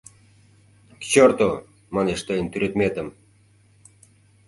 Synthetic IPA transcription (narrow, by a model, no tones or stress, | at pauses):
kt͡ɕort̪o | mɑneʃt̪ɤjənt̪yɾet̪met̪əm